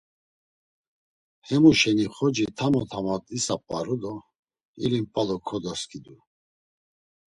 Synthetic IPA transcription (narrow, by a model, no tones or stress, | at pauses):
hɛmuʃɛniχɔd͡ʒit̪ʰamɔt̪ʰamat̪ʼisapʼaɾud̪ɔ | ilimpʼalɔkʰɔd̪ɔskʰʼid̪u